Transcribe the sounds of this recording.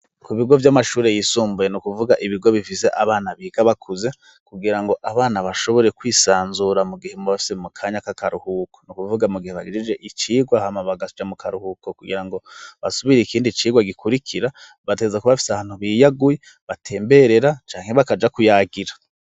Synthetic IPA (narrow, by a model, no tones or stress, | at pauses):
kuβiɡo̞vjamaʃuːɾe̞jiːsuːmbujenukuvuɡaʔiβiɡo̞βifise̞ʔaβaːnaβiːɡaβakʰuze̞ | kuɡiɾaŋɡo̞ʔaβaːnaβaʃo̞βo̞ɾe̞kwiːsaːnzuɾamuɡihemuβafi̥semukʰaːɲakakaɾuhukonukuvuɡamuɡiheβaɡid͡ʒid͡ʒe̞ʔit͡ʃiːɡwahamaβaɡad͡ʒamukʰaɾuhukokuɡḭɾaŋɡo̞βasuβiɾeikiːndit͡ʃiːɡwaɡikʰuɾikʰiɾa | βatezakuβafi̥saβaːn̥huβijaɡuje | βatʰe̞ːmbe̞ɾe̞ɾat͡ʃaːŋhe̞βakad͡ʒakujaɡiɾḁ